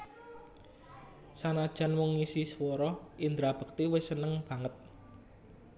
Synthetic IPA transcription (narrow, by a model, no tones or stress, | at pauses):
sanad̥ʒ̥a̤nwɔŋːisiswɔɾɔind̪ɾab̥ə̤k̚t̪iwɪsənəŋb̥ä̤ŋət̪̚